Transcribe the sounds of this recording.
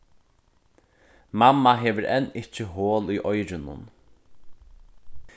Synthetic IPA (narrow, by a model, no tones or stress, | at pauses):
mamːaɦeːʋəɾʔɛ̰nɪcəɦoːlʏʔɔjɾɪnʊ̰n